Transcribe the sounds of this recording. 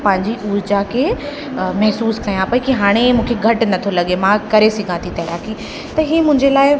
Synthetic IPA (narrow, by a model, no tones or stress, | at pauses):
pɐ̃ɦɪ̃ɲd͡ʑiʔuːɾd͡ʑakʰe | mɐɦsuːskɐjãpɐikiɦaːɽ̃emũːkʰeɡʱɐʈ̆nɐt̪ʰolɐɠemãkɐɾesɪɡʱãt̪ʰit̪ɐɦɪɾaːki | t̪ɐɦiːmʊ̃ɦɪ̃ɲd͡ʑelaːɪ